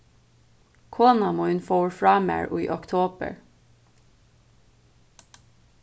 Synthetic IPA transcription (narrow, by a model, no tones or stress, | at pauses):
kʰoːnɑmoːhʉnfoːɹfɹɑːmḛːɹʔṵːḭːʔɔkt̪ʰoːbə̰ɹ